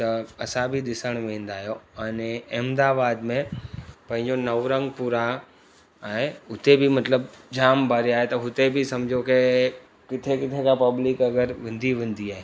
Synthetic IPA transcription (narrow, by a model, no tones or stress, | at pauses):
t̪ɐɐsãbʱiɗ̪ɪsəɽ̃ʋẽːnd̪aːɦijoɐneɛːmd̪aːbaːd̪mẽpɐ̃ɦɪ̃ɲ̆d͡ʑonɐʋɾə̃ŋɡpuɾa | ãːɦeʊt̪ebʱimɐt̪ləbd͡ʑaːmbʱaːɾiaːɦet̪ɐɦʊt̪ebʱisɐmd͡ʑʱoke | kɪt̪ʰekɪt̪ʰekãpɐblɪkɐɡəɾʋɪ̃nd̪ʱiʋɪ̃nd̪iaːɦeː